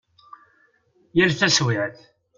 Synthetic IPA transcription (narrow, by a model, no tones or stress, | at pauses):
jəlθæswɪʕəθ